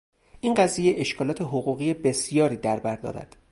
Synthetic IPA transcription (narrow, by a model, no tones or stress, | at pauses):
ʔiːnɢæziːjeʔeʃkʰɒːlɒːt̪ʰe̞ɦoɣuːɣiːjebe̞sijɒːɾiːd̪æɾbæɾd̪ɒ̰ːɾæ̰d̪̥